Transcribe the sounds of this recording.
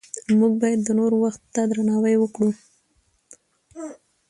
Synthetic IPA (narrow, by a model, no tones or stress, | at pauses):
muɡ̚bɑjad̪ːənoɾwaxt̪ːad̪ɾanɑwajwəkɽu